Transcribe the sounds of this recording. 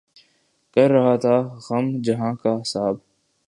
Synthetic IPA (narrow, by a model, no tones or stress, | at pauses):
kɐɾːɐɦat̪ʰaɣɐmd͡ʒɐɦãkaɪsaːb